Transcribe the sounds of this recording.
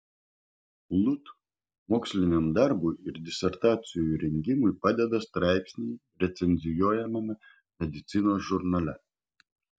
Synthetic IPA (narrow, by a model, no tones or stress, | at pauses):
lˠʊt̪ | moːksʲlʲɪnʲɛmd̪ɑɾbʊɪɪɾd̪ʲɪsʲɛɾt̪ɑːt̪sʲɪjoːjuɾʲɛŋʲɡʲɪmʊɪpɑd̪ʲɛd̪ɐst̪ɾɑˑɪpʲsʲnʲɛɪ | ɾʲɛt̪sʲɛnʲzʲɪjuɔjɛmɐmʲɐ | mʲɛd̪ʲɪt̪sʲɪnoːsʒʊɾnɐlʲɛ